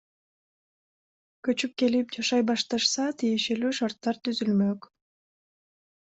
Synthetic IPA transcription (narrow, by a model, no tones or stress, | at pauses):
køt͡ʃyp̚ke̞lip̚d͡ʒɑʃɑjbɑʃt̪ɑʃsɑt̪ijeʃe̞lyʃaɾt̪ːɑɾt̪yzylmøk